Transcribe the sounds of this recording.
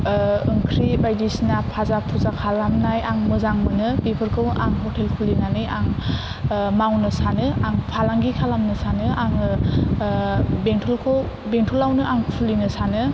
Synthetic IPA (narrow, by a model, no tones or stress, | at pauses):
ɯŋkʰɾibajdisnapʰazapʰuzakʰalamnajaŋmɯzaŋmɯnɯpepʰɯɾkʰɯwʔaŋɦɔtelkʰulinanɯjaŋ | mawnɯsanɯaŋpʰalaŋɡikʰalamnɯsanɯʔaŋ | beŋtʰɔlkʰow | beŋtʰulawnɯaŋkʰulinɯsanɯ